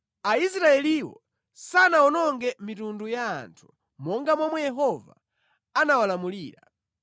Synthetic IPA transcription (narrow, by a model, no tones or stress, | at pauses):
ais̬ɾaɛliwɔ̰ | sanaɔnɔŋɡɛmitunduja̰ːntʰu̥ | mɔŋɡamwɔmwɛjɛɦɔva̰ | anawalamuliːɾa